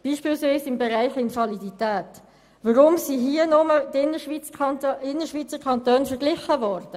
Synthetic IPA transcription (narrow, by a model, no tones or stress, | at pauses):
b̥iːʃpiːlsʋiːsɪmbeɾæɪχɪnfɑliditæːt | ʋəɾʊmsiɦiənʊmədɪnːəʃʋit͡sɑɪnːəʃʋit͡səɾkʰɑnt̪øːnfəɾʁɡlɪχəvɔːɾd̥ə